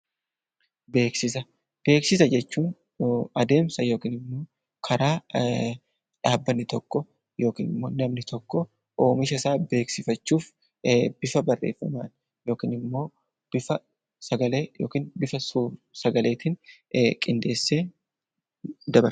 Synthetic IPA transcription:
be̞ːksɪs̬ɐ | b̥e̞ːksɪs̬ɐd͡ʒɛt͡ʃːuːn | ɐd̪e̞ːmsɐjo̞ːkiːnɪmːo̞ː | kʰɐɾaː | ᶑaːbːɐnːɪt̪ɔkːɔ | jo̞ːkḭːnɪmːo̞ːnɐmnɪt̪ɔkːɔ | ʔo̞ːmɪʃɐsaːbe̞ːksɪfɐt͡ʃːuːf | b̥ɪfɐbɐrːe̞̰ːfːɐ̰maːn | jo̞ːkiːnɪmːo̞ː | b̥ɪfɐ | sɐɡɐleːjoːkiːnbɪfɐsusɐɡɐlʔe̞ːt̪ɪn | kʼɪnd̪e̞ːsːe̞ː | d̪ɐbɐɾ

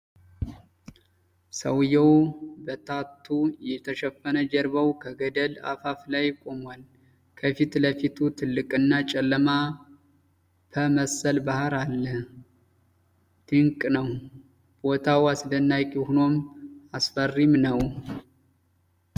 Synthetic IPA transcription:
səwjɛwbət̪ʰat̪ʰːujɛt̪ʰəʃɛfːənəd͡ʒɛɾbəwkʰəɡəd̪əla̰faflajkʼo̞mwal | kʰəfit̪ləfit̪ʰut̪ʰɨlːɨkʼɨnːat͡ʃʼɛlːəma | bʰəməsəlbahaɾalːəh | t̪ʰɨŋkʼnəw | b̥ot̪ʰawasdənːajkʼehuno̞masfərːimnəw

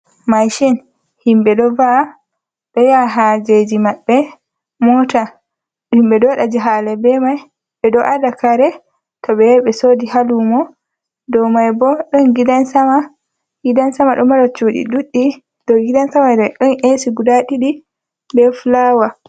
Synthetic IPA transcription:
majʃɛn | himbɛɗɔva | ɗɔjaɦad͡ʒed͡ʒimaɓːɛ | mɔta | ɗhimbɛdɔɗad͡ʒɛɦalɛbɛmaj | ɓɛɗɔʔadakaɾɛ | tɔɓɛɓɛsoːdihalumɔ | dɔmajbɔɗɔnɡidansama | ɡidansamaɗɔmaɾɔt͡ʃuɗḭɗuɗːi | d̥ɔɡidansamadɛɗɔnʔesiɡudaɗiɗi | bɛfulawa

